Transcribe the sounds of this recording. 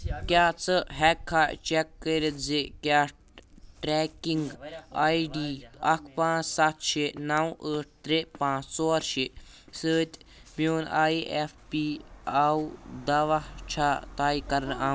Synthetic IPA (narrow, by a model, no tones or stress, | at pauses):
kʲaːt͡sɨɦɛkʰːaːt͡ʃekːəːɾet̪zikʲjaː | ʈɾɛːkiŋɡaːiɖiːɐkʰpãːt͡ssɐt̪ʃenawəːʈ̚ʰt̪ɾepãːt͡ssoːɾʃesəːt̪ʲmoːnaːjefpiːaud̪ɐʋaht͡ʃʰaːt̪aːikɐɾnaː